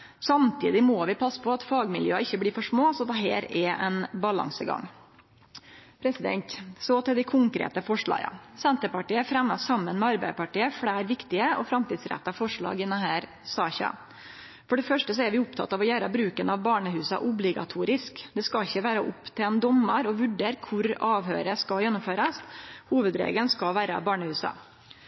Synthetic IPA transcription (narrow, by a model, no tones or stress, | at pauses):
sɑmt̪ʰḭːd̪ɪmoːʋɪpʰɑsːpʰɔɑt̪fɑːɡmɪljøːɑɪçːəblɪfɔʂmoːsɔd̪ɛɦḛːɾɛʔɛ̰nbɑlɑ̰ŋsəɡɑ̰ŋː | pʰɾɛsɪd̪ɛ̰nt̪sɔt̪ɪld̪ɪkʰʊŋkɾḛːt̪əfɔʂɭɑ̰ːɡɑ̰sɛnt̪əpɑʈiːəfɾɛmːɑsɑmːənmɛɑɾbæɪəpɑʈiːəfɽæːɾʋɪkt̪ɪəʔɔ̰fɾɑmt̪iːd̪sɾɛ̰t̪ːɑfɔʂɭɑ̰ːɡɪnːɑɦhæːɾ | sɑːçɑ̰ | fɔɖɛfœʂʈəsɔɛɾʋɪʊp̚t̪ʰɑ̰t̪ːɑːʋɔjæːɾəbɾʉːkənɑʋbɑːɳəhʉːsɑ̰ʔʊblɪɡɑ̰t̪ʰuːɾɪskd̪ɛskɑlɪçəʋæːɾəʔʊpt̪ʰeːnd̪ɔməɾɔʋʉɖeːɾkʰʊɾɑːʋɦø̰ːɾəskɑljɛnːʊmføːɾɑshuːʋəd̪ɾḛːɡənskɑlʋæːɾəɑ̰bɑːɳəhʉːsɑ̰